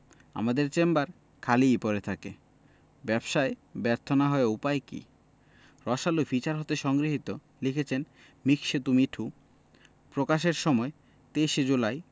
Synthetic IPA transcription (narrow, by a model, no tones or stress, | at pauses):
a̰mad̪eɾt͡ɕembaɾ | kʰalijpɔɾet̪ʰake | bɛbʃaebɛɾt̪ʰonaɦɔeupaekḭ | ɾɔʃalofit͡ɕaɾɦot̪eʃɔŋɡɾiɦit̪o | likʰet͡ɕʰen | mikʃet̪umiʈʰu | pɾokaʃeɾʃɔmɔe | t̪eʃed͡ʑulaj